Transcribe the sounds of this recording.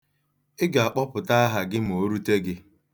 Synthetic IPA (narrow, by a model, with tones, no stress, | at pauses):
ɪ˦ɡa˨a˨k͡pɔ˦pʊ˨ta˦a˦ɦa˨ɡɪ˦m̩˨o˨˦ɾu˦te˦ɡɪ˦